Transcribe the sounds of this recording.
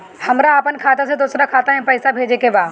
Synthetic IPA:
hɐmɾaːpənkʰaːt̪ased̪ʊsɾakʰaːt̪aẽpɐɪsabʱeːd͡ʑekeʋaː

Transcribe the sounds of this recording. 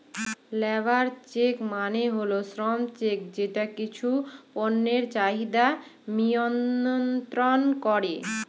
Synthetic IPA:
lɛbaɾt͡ɕekmaneɦolosɾɔmt͡ɕek̚d͡ʑeʈakit͡ɕʰuponːeɾt͡ɕaɦid̪amijonnt̪ɾonkɔɾe

